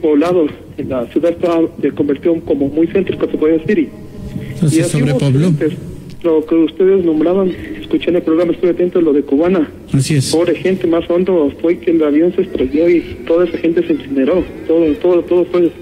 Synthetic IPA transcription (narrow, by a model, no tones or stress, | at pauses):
poβlaðo | elasjuðaðest̪aβaseko̞mbeɾt̪joko̞momujsent̪ɾikosepoðesiɾi | iasoiɾeoβlnt̪es | lokeust̪e̞ðeznõ̞mbɾaβaneskut͡ʃanelpɾo̞ɣɾamast̪oβeat̪ent̪olo̞ðekuβana | asiespoβɾexe̞nt̪emasond̪ofwe̞kelaβjo̞nse̞st̪ɾeβjoit̪o̞ðaesaxe̞nt̪eseensine̞ɾo̞t̪oðot̪oðot̪oðospɾesos